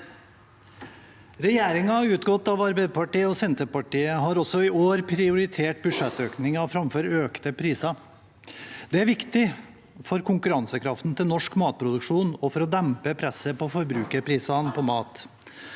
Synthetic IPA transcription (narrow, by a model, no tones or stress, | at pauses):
ɾɛjeːɾɪŋɑʉːt̪ɡɔt̪ːɑʋɑɾbɛɪpʰɑʈiːəɔsɛnt̪əpɑʈiːəɦɑɾɔsɔɪʔoːɾpʰɾɪʊɾɪt̪ʰeːʈbʉʂɛt̪øːknɪŋɑfɾɑmføːɾøːkt̪əpʰɾiːsɑ | d̪̥ɛæɾʋɪkt̪ɪ | fɔɾkʰʊŋkʉɾɑnsəkʰɾɑft̪n̩t̪ʰɪlnɔʂkmɑːt̪̚pʰɾʊd̪ʉkʂuːnɔfɔɾɔd̪æmpəpʰɾɛsəpɔfɔɾbɾʉːkəɾpʰɾiːsɑnpʰɔmɑːt̪